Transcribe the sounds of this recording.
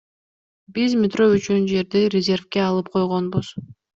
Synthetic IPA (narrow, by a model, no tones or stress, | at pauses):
bizmʲɪt̪ro̞yt͡ʃynd͡ʒe̞ɾd̪iɾʲɪzʲe̞rfkeɑlˠɯp̚qʰo̞jʁo̞nbuz̥